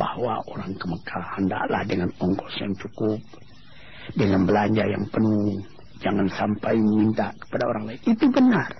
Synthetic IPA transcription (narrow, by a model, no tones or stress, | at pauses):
bahwa̰ʔoɾaŋkəməkʰahanda̰ʔla̰hdəŋanɔŋkɔsjaŋt͡ʃukup̚ | dəŋanbəlaɲd͡ʒaja̰ŋpənuŋ | d͡ʒaŋansampajməmint̪akə̥padaoɾaŋlaik̪it̪ubənar